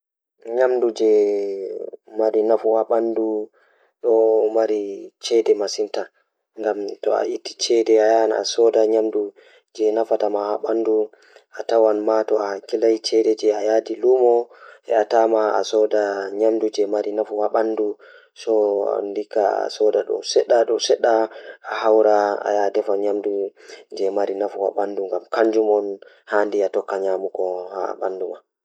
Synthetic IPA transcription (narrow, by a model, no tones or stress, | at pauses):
ɲamdud͡ʒɛ | maɾinafuhaɓandu | ɗɔmaɾit͡ʃɛdɛmasinta | ŋɡamtɔa̰ʔitːi̥t͡ʃɛdɛajana̰sɔdaɲamdu | d͡ʒɛnafatamahaɓandu | ʔatawanmatɔahakilajt͡ʃɛdɛd͡ʒɛajadilumɔhɛ̰atamaa̰sɔdaɲamdud͡ʒɛmaɾinafuwaɓandu | sɔ̰ndikaa̰sɔdaɗɔ̰sɛɗːaɗɔsɛɗːaːhawɾaa̰jadɛfaɲamdud͡ʒɛmaɾinafuwa̰ɓanduŋɡamkaɲd͡ʒumɔn | handiatɔkːaɲamukɔha̰ɓa̰nduma